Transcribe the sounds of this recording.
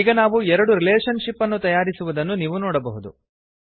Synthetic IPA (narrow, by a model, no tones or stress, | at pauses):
iːɡɐnaːʋuɛɾɐɽuɾileːʂɐnʂipːɐnːut̪ɐjaːɾisuʋud̪ɐnːuniːʋunoːɽɐbɐɦud̪u